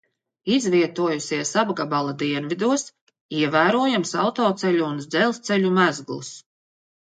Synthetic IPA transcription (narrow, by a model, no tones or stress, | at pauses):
izviɛt̪uɔjusiɛsabɡabalˠad̪iɛnvid̪uɔs | iɛvæːɾuɔjamsawt̪ɔːt̪sɛlʲuːnzd̪zɛlˠst̪sɛlʲumæzɡlˠus